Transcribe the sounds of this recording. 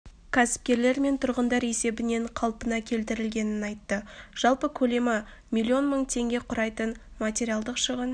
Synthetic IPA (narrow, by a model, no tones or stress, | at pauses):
kʲʰæsɪ̥p̚kʲe̞ɾle̞ɾme̞nt̪ʰʊɾʁənd̪ɑɾe̞se̞bɪne̞ɴqʰɑlˠpənɑkʲʰe̞lt̪ɪɾɪlɡʲe̞nɪnɑjt̪ːəʒ̥ɑlˠpəkʲʰɵle̞mɪ | mʲijlʲːio̞nməɴt̪ʰe̞ŋɡʲe̞qʰʊɾɑjt̪ənmat̪ʲe̞ɾijalˠd̪əqʃəʁən